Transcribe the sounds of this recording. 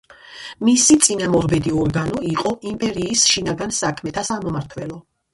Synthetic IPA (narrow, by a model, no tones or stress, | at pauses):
misit̪sʼinamɔɾbɛd̪iɔɾɡanɔiqʼɔʔimpʼɛɾiːsʃinaɡansakʰmɛt̪ʰasamɔmaɾt̪ʰvɛlɔ